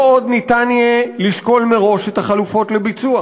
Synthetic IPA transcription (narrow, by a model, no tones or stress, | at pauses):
o̞dnitanjeliʃko̞lmeʁo̞ʃethaχalufo̞tlebit͡sua